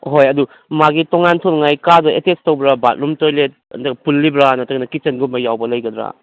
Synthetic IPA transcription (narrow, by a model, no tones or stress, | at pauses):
ɦojɐdu | maɡitoŋantʰolŋajkadɐetestowbɾaba̰t̚ɾumtojlet̚ɐ̰ndɐɡpulːibɾanɐtɐɡnɐkit͡ʃɐnɡumɐjːawbɐlɐjɡɐdɾa̰